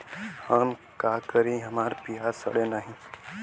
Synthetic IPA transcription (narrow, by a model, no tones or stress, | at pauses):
həm | kakəɾĩɦəmaːɾpijasə̰ɽenaːɦĩ